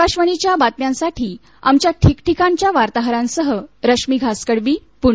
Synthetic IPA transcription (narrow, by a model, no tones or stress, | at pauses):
kaɕʋəɽit͡ɕjabat̪mjãnsaʈʰiː | a̰mt͡ɕjaʈʰikʈʰikãɲt͡ɕjaʋaɾt̪aɦɾãnsəɦəɾəkʂmiɡʱaskəɽʋiː | puɳ